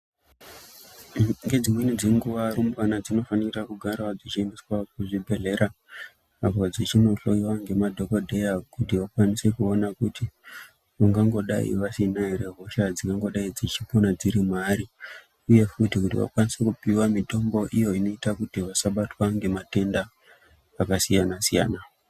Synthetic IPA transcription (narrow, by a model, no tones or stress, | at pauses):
ŋɡe̞d͡zimwenid͡zeŋɡuʋaɾumbwanad͡zino̞fanirakuɡʱaɾaad͡zit͡ʃiembiswakuʐibʱe̞ɮe̞ɾa | apad͡zit͡ʃino̞ɬo̞iwaŋɡe̞madʱo̞ko̞dʱe̞jakutiʋakwanise̞kuonakuti | ʋaŋɡaŋɡo̞ɗa̰ḭʋasinaeɾe̞ɦo̞ʃad͡ziŋɡaŋɡo̞ɗaid͡zit͡ʃiponad͡ziɾimaɾi | uje̞futikutḭʋa̰kwanisekupiwamito̞mbo̞ʔijo̞ino̞itakutiʋasaɓatwaŋɡe̞mate̞ndaː | kasijanasija̰ːna